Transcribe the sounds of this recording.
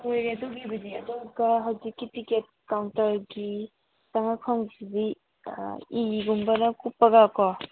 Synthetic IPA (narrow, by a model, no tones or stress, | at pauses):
ojɾeɐdoɡibɐdiɐdoɡɐɦɐwzikːitiket̚kawntɐɾɡi | saŋakʰamsidḭ | iːɡumbɐnɐkupːɐɡakɔ